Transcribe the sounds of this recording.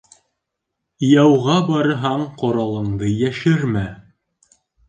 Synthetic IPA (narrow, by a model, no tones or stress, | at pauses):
jæwʁɑbɑɾɤ̆ɦɑɴqŏɾɑlˠɤ̆ɴd̪ɤjæʃɘɾmæ